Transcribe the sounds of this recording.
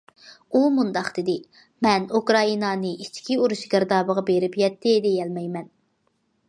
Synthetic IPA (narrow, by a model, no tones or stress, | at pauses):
umund̪ɑqd̪̥ɪd̪ɪ | mɛnukɾɑinɑnɨit͡ʃʰkʲʰiuɾuʃɡʲəɾd̪ɑːbəʁɑbeɾɪpjɛt̪ːɪd̪ejɛlmɛjmɛn